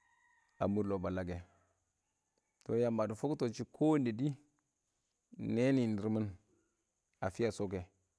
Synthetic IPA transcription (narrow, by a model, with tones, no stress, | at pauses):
a̰˨mu˦ɾlo˨ba˨la˨ɡe˨ | to˨ja˨ma˨du˨fo˦kto˨t͡ʃi˦kʰo˦nde˨di˦ | ne˦ni˨ni˨ɾmə˦n | a˨fi˦ja˦˨so˦ke˨